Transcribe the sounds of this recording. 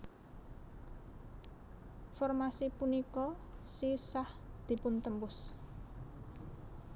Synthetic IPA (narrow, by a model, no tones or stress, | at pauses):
fɔrmasipunikɔsisahd̪̥i̤pʊnt̪əmpʊs